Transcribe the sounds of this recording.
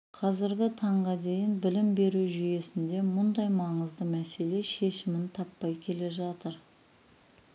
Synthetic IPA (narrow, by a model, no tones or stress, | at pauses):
qʰɑzɪɾɡʲɪt̪ʰɑɴʁɑd̪e̞jɪnbɪlɪmbe̞ɾuʒʏje̞sɪnd̪e̞mʊnd̪ɑjmɑɴəzd̪əmæse̞le̞ʃe̞ʃɪmɪnt̪ʰɑpːɑjkʲʰe̞le̞ʒɑt̪əɾ